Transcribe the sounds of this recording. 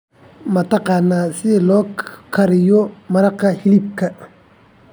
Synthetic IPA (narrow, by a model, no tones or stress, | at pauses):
mɐt̪ɐqɑːnːaːsɪlɔːkʰɐɾɪjɔmɐɾɐqːɐhilib̚kʰɐ